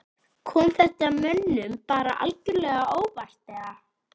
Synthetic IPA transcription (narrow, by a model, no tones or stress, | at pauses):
kʰɔːmθɛht̪amœnːʏmpaːɾa̰ʔa̰lcʏɾlɛːɣaʔoːwvar̥t̪lɛːɣa